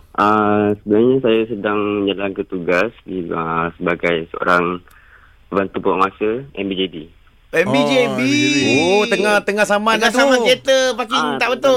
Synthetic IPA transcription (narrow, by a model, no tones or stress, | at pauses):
ʔəsəbənarɲasajasədaŋd͡ʒalaŋkət̪uɡasdiəsəbaɡajsəo̰ɾaŋ | əbant̪upəɔʔmasəɛmbid͡ʒebi | ɛmbid͡ʒebiiot̪əŋaht̪əŋasamãat̪samãet̪əpakiŋt̪aʔbət̪ʊ